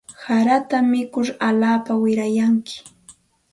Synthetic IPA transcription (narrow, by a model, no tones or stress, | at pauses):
saɾat̪amɪkʊɾalaːpawɪɾajaŋkɪ̥